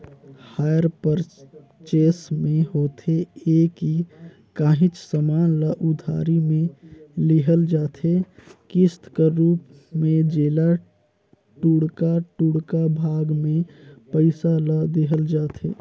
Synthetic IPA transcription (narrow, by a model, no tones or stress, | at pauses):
haːjəɾpəɾ | t͡ʃeːsmẽɦoːt̪ʰeeːki | kaːɦɪt͡ʃsəmaːnləʔʊd̪ʱa̰ːɾimẽlɪɦəld͡ʒaːt̪ʰekɪst̪kəɾuːp | mẽd͡ʒeːla | ʈuːɽkaʈuːɽkabʱaːɡmẽpəɪsaləd̪eɦəld͡ʒaːt̪ʰḛː